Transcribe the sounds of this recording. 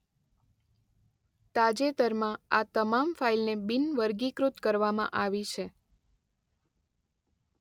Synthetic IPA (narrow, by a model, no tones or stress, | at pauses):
t̪ad͡ʒet̪əɾmãat̪əmamfailnebinʋəɾɡikɾut̪kəɾʋamã̰ʔaʋit͡ʃʰe